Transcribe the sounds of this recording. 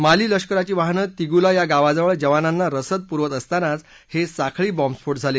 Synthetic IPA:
maliːləʂkəɾat͡ɕiːʋaɦnət̪iɡulajaɡaʋad͡zəʋəɭd͡ʑəʋananːaɾəsəd̪̚puɾʋət̪əst̪anat͡s | hesakʰɭiːbɔmspʰoʈd͡zʱale

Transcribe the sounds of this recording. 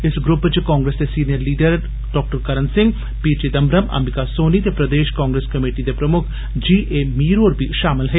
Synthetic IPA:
ɪsɡɾʊpːt͡ʃkãːŋɡɾeːsd̪esiːnijəɾliːɖəɾ | ɖ̥ɔːk̚ʈəɾkɐɾənsɪ̃ŋɡ | piːɾt͡ʃed̪ɐmbɾəmɐ̰mɪkasoːnit̪epɾɐd̪eːʃkãːŋɡɾeːskɐmeːʈid̪epɾɐmʊkʰ | d͡ʒiːʔeːmiːɾoːɾbʱiʃaːmɪlɦɛː

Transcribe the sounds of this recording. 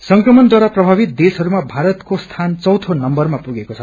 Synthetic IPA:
sʌŋkrʌmʌnd̪waɾaprʌbʱabit̪̚d̪esɦʌɾumabʱaɾʌt̪kost̪ʰant͡sʌwt̪ʰonʌmbʌrmapuɡekot͡sʰʌ

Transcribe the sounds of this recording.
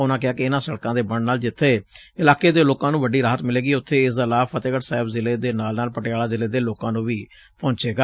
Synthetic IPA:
ʊnãːkɪaːkɪɪnãːsəɽkãːd̪eːbəɳnaːld͡ʒɪt̪ʰːeː | ɪlaːkeːd̪eːloːkãːnũːʋəɖːiːɾaːɦət̪mɪleːɡiːʊt̪ʰːeːɪsd̪aːlaːfʰət̪eːkəʈsaːɪbzɪleːd̪eːnaːlnaːlpəʈɪjaːlaːzɪleːd̪eːloːkãːnũːʋiː | pɔ̃ːnt͡ʃeːɡaː

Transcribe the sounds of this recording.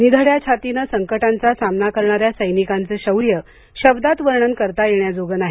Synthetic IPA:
nid̪ʱəɽjat͡ɕʰat̪inəsəŋkəʈant͡sasamnakəɾɳaɾjasəjnikant͡səɕəwɾjə | ɕəbd̪at̪ʋəɾɳənkəɾt̪ajeɳjad͡zoɡənaɦi

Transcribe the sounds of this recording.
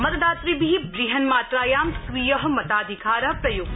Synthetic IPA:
mɐt̪d̪aːt̪ɾibiibɾiɦɐnmaːt̪ɾaːjaːmsʋiːjɐɦɐmɐt̪aːd̪ʱikʰaːɾɐɦpɾɐjoɡ

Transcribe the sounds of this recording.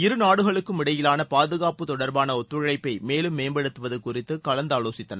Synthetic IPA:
ɪɾɯnaːɽɯɣɐɭɯkːɯmɪɽɐjɪlaːnɐpaːðɯɣaːpɯt̪ɔɽɐɾbaːnɐɔt̪ːɯɻɐɭɐɪpːɐɪmeːlɯmːeːmbɐɽɯt̪ːɯʋɐðɯkːʊrɪt̪ːɯkɐlɐnd̪aːloːsɪt̪ːɐnɐ

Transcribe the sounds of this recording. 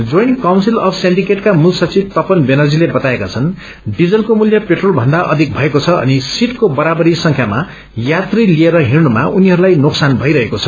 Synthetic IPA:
d͡zojnkawnsilʌbʰseɳɖikeʈkamusʌt͡sib̚t̪ʌpʌnbenʌrd͡zilebʌt̪aekat͡sʰʌn | ɖid͡zʌlkomuljʌpeʈrolbʱʌnd̪aʔʌ̰d̪ʱik̚bʱʌekot͡sʰʌʌ̰nisiʈkobʌɾabʌɾisʌŋkʰjama | jat̪rilieɾʌɦirnuma̰ʔuniɦʌɾulajnoksanbʱʌjɾʌɦekot͡sʰʌ̥

